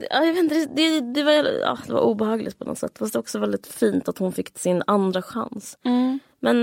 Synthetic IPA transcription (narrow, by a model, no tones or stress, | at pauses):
ɑːjɑavet̪nt̪əd̪ɛd̪ɛd̪ɛvaɛɑ̰ːd̪ɛva̰ɾʔuːbɛhɑːɡlɪt̪̚pʰɔnɔ̰t̪sɛ̰t̪ːfas̬td̪ɛɔksɔvɛld̪ɪt̪fiːnt̪at̪hʊnfɪkːsɪnand̪ɾaɧa̰ns | mɛn